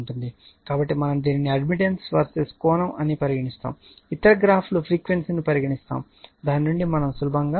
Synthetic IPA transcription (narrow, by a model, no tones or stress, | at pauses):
ɳʈund̪i | kaːbɐʈːimɐnɐmd̪iːniniɐɖmiʈ̬ensʋɐ̰ɾseskɔːnɐmʔɐnipɐɾiɡɐɳist̪a̰ːm | it̪ːɐɾɐɡɾaːpʰlupʰɾiːkʋensnipɐɾiɡɐɳist̪a̰ːm | d̪aːnnuɳɖimɐnɐmsulubʱɐŋɡaː